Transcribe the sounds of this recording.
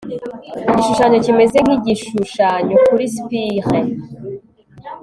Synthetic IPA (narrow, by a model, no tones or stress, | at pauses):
iɟiʃuʃaɲo̞cime̞ze̞kiɟiʃuʃaɲokuɾispiʁe